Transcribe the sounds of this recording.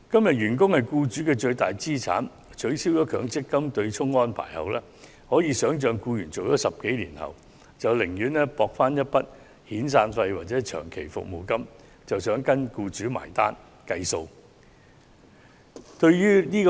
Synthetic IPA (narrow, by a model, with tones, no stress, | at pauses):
kɐ˥mjɐ˨t̚ɥyː˨˩nk̬ʊ˥ŋhɐ˨jkuː˧t͡ʃyː˨˥kɛː˧t͡ʃɵ˧ɥt̪aː˨jt͡siː˥t͡sʰa̰ː˨˥n | t͡ʃʰɵ˨˥ɥsiː˥wjɔː˨˥kʰœː˨˥ŋt͡sɪ˥kːɐ˥mt̪ɵ˧ɥt͡ʃʰʊ˥ŋɔː˥npʰa̰ː˨˩jhɐ̰˨wlɛː˥ | hɔː˨˥jiː˨˧sœː˨˥ŋt͡ʃœː˨˧ŋkuː˧jyː˨˩nt͡so˨wjɔː˨˥sɐ˨p̚ke˨˥jlḭː˨˩nhɐ̰˨w | t͡sɐ˨wlɪ˨˩ŋjyː˨˥nɛː˥pɔː˧k̚faː˥njɐ˥t̚pɐ˥t̚ | hiː˨˥ns̬aː˧nfɐ˧jwaː˨t̚t͡sɛː˨˥t͡ʃʰœ̰ː˨˩ŋkʰe˨˩jfʊ̰˨k̚mo̰˨˩wkɐ˥m | t͡sɐ˨wsœː˨˥ŋkɐ˥nkuː˧t͡ʃyː˨˥ma̰ː˨˩jt̪a̰ː˥n | kɐ˧jso˧w | t̪ɵ˧ɥjyː˥niː˥k